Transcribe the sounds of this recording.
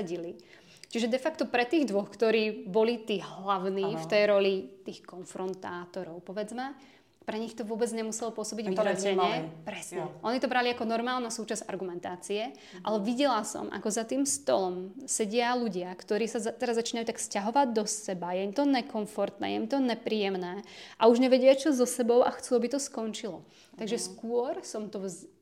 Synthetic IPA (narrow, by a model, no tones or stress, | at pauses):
ɛɟili | t͡ʃiʒɛd̪ɛfakt̪ɔpɾɛt̪iːɣd̪ʋɔxkt̪ɔɾiːbɔlit̪iːɦlaʊniːft̪ɛjɾɔlit̪iːxkɔnfɾɔnt̪aːt̪ɔɾɔʊpɔʋɛd͡zma | pɾɛɲixt̪ɔʋʊɔbɛd͡zɲɛmusɛlɔpʊɔsɔbiɟʋilɛɛɲɛpɾɛsɲɛʔɔnit̪ɔbɾaliakɔnɔɾmaːlnasuːt͡ʃaza̰ɾɡumɛnt̪aːt͡siɛ | ʔalɛʋiɟɛlasɔ̰mʔa̰kɔzat̪iːmst̪ɔ̰lɔmsɛɟɪaluɟɪakt̪ɔɾiːsat̪ɛɾazːat͡ʃiːnajuːt̪akfscaɦɔʋaɟd̪ɔsɛbajɛimt̪ɔɲɛkɔɱfɔɾt̪nɛ̰ːjɛimt̪ɔɲɛpɾiːjɛmnɛːʔauʒɲɛʋɛɟɪat͡ʃɔzɔsɛbɔʊʔaxt͡suabit̪ɔskɔnt͡ʃilɔ | t̪aɡʒɛskʊɔɾsɔmt̪ɔz